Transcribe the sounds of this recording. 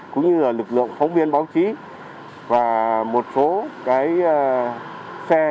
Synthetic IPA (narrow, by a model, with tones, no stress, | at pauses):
kʊ̰˧˥ŋ͡mɲɨ˧laː˨˩lɨ˨˩k̚lɨ̰˧˨əŋfɔ˨˦wŋ͡mvi˧ənɓaː˨˦wt͡ɕi˨˦ | vaː˨˩mo˨˩t̚so˨˦kaː˨˦j | sɛ˧